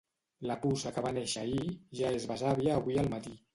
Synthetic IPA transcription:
ləpusəkəβaneʃəiʒaezβazaβiəːβwiəlˠmət̪i

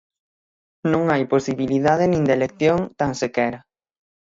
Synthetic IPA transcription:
nõŋajposiβiliðaðɪnĩŋd̪elek̚θjoŋt̪ansekɛɾɐ

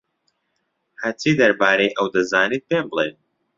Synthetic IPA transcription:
hat͡siːd̪ɐɾbaːɾejʔɐwd̪ɐzaːniːt̪̚beːmblˠḛː

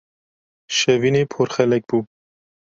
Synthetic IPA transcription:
ʃɛviːneːpʰoɾxɛlɛk̚b̥uː

